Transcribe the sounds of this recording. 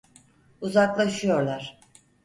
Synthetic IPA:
uzaklˠaʃɯjo̞ɾlˠaɾ̥

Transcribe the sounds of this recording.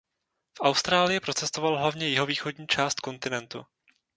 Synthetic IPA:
fʔawst̪ɾaːlɪjɪpɾo̞t͡sɛst̪ovalɦlavɲɛjɪɦo̞viːxo̞dɲiːt͡ʃaːst̪ko̞nt̪ɪnɛnt̪u

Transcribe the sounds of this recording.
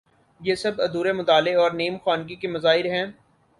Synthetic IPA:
jeːsɐbɐd̪uːɾemʊt̪aːleɔːɾneːmxaːnk̬ikemɐzaːɪɾɦɛ̃ː

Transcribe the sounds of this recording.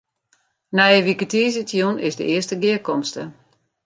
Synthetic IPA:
nɛjəʋikətiːsitjunɪzdə̰ʔɪəstəɡɪəkɔmstə̰

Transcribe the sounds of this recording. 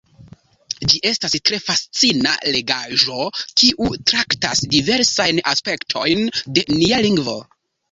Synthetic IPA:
d͡ʒiʔe̞stastɾe̞fast͡sina̰le̞ɡaʒo̞kiʔutɾakta̰sdive̞ɾsajnaspe̞ktʰo̞̰jnde̞nialiŋɡvo̞̰

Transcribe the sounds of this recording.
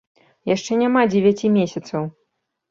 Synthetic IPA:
jaʂt͡ʂɛnʲamad͡zʲɛvʲat͡sʲimʲesʲɐt̪sɐw

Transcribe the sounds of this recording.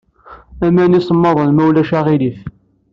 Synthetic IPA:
æmænisˤəmːɑðˤənmæwlæʃæʁilif

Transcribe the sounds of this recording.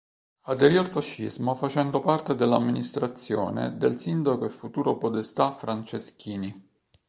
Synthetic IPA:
ad̪eɾialfaʃːizmofat͡ʃɛnd̪opart̪ed̪elːamːinist̪ɾat̪sːjo̰ːnḛd̪elsind̪akoefut̪uːɾopod̪est̪afɾant͡ʃeskʰiːni

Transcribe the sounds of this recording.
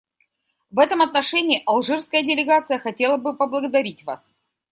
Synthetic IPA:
vɛt̪əmɐt̪nɐʂɛnʲɪːʔɐlˠʐɨrskəjədʲɪlʲɪɡat̪sɨjəxɐtʲe̞lˠəbɨpəblˠəɡəd̪ɐɾʲitʲva̰s

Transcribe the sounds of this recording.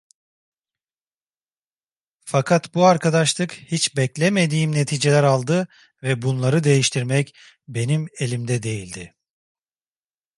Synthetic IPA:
fakʰat̪buaɾkʰad̪aʃlˠɯkhit͡ʃbɛclʲeme̞d̪iːmne̞t̪ʰiːd͡ʒe̞lʲæɾalˠd̪ɯ | vɛbunlˠaɾɯd̪e̞jiʃt̪ʰiɾmɛc | be̞nimelʲimd̪ɛd̪e̞jilʲd̪ɪ

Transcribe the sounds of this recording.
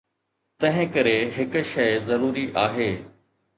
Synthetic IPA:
t̪ɐ̃ɦɪ̃kɐɾeɦɪkʃɐɪzɐɾuːɾiʔaːɦeː

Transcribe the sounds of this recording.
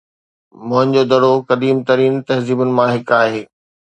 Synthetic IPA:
mʊ̃ɦɪ̃nd͡ʑod̪ɐɽokɐd̪iːmt̪ɐɾiːnt̪ɐɦziːbʊnɪ̆mãɦɪkaːɦeː

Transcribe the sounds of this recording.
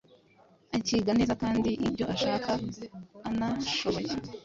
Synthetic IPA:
aciːɡanizakaːndiʔibɟo̞ʔaʃaːkaː | naʃo̞βoci

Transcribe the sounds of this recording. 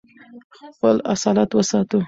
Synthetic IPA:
xpəla̰sɑlat̪wəsɑt̪u

